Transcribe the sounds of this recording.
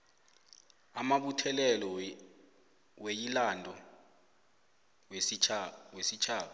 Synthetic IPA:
amaɓutʰɛlɛlɔ | wejilandʼʱɔ | wesit͡ʃʰaːɓa

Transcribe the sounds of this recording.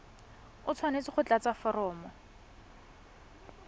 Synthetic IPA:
ʊt͡sʰwanet͡sɪχʊt͡ɬat͡safɔɾɔːmɔ

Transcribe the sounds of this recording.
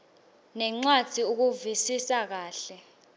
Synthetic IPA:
nɛŋ͡ǀwad̥d̥ʱiuk̬uvisisak̬aːɬɛ

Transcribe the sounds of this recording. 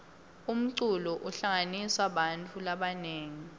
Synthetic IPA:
um̩ǀulɔʔuɬaŋaniswaɓantʰʼulaɓaneːŋi

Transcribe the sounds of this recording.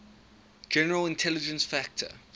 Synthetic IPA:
d͡ʒɛnəɹəlɪ̃ntʰɛlɪd͡ʒə̃nsfæk̚tʰə̰

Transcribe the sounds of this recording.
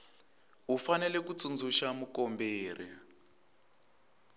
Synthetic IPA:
ɦufanɛlɛk̬ut͡sund͡zʱuʃamukɔmbeːr̤ḭ

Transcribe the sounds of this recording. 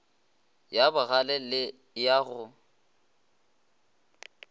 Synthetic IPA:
jabʊɣalɛlɪ | jaɣʊ

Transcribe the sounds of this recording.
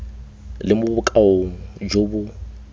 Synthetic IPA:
lɪmʊbʊkʼaoŋ̩d͡ʒobʊ

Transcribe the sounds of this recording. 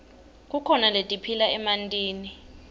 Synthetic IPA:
k̬ʼukʰɔnaletʼipʰilaɛmantʼiːni

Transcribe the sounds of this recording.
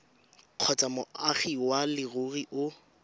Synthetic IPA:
q͡χʰɔt͡sʼamʊaχiwalɪɣʊɣiʔʊ

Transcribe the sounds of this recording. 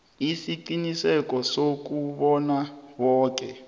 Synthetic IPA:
isiǃinisɛkɔsok̬uɓɔnawɔːk̬ɛ

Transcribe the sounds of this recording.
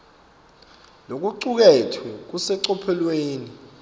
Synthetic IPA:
lok̬uǀuk̬ɛtʰuk̬usɛǀɔpʰɛlweːni

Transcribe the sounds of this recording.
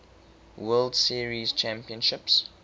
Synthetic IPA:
wɜːldsiɹizt͡ʃʰæ̃mpiə̃nʃɪps

